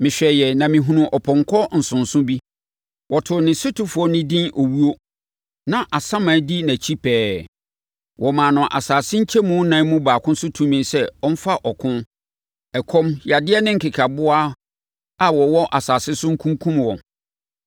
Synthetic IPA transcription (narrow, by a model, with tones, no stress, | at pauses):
mɪ̃˨ɕᶣɛ˨jɛ˨nã˨mɪ̃˨ɦũ˨nʊ̃˨ʔɔ˨pʰɔ̃˨ŋkʰɔ˦n̩˨sʊ̃˨nsʊ̃˦bi˦ | wʔɔ˨tʰʊ˨nɪ̃˨sʊ˦tu˦fʊ˨˦ɔ˦nɪ̃˦dĩ˦nʔo˨wu˦o˦ | nã˨ʔa˨sã˦mã˨˦di˦næ̃˨t͡ɕʰi˦pʰɛː˦ | wɔ˨mã˨nʊ̃˨ʔa̰˨saː˨sɪ̃˦ɲ̩˦t͡ɕʰɛ˦mũ˦nã˨˦mũ˦baː˨kʰʊ̃˦sʊ˦tʰũ˦mĩ˨nsɛ˦ɔ˦m̩˦fa˦ʔɔ˨kʰʊ̃˦n | ɛ˨kʰɔ̃˦mja˨dɪ˦ɛ˦nɪ̃˦ŋ̩˨kɪ˨kʰa˨bʊ˦a˦ | a˨wɔ˨wɔ˦ʔa˨saː˨sɪ˦sʊ˦ŋ̩˦kʰũ˦ŋ˦kʰũ˦mwɔ̃˨n